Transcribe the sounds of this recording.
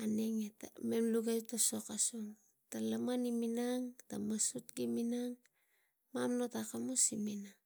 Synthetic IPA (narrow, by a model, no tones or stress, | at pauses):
aneŋetame̞mluɡataso̞kasoŋ | talamaniminaŋtamasutɡiminaŋ | mamno̞takamosimina